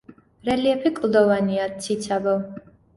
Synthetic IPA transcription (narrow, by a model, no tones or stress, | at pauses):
ɾɛliɛpʰikʼlˠd̪ɔvaniasʰit̪sʰabɔ